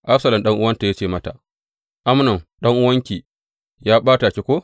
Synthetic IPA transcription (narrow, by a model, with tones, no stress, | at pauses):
ʔa˦ɸsɐ˨lɐ˨mɗɐ˦ŋʔʊ˦wɐ˦nta˨jaː˦t͡ʃeː˦˨mɐ˦ta˨ | ʔa˦mnɔ˨mɗɐ˦ŋʔʊ˦wɐ˦ŋkʲiː˨ | jaː˦ɓaː˦ta˨kʲe˦kʷoː˦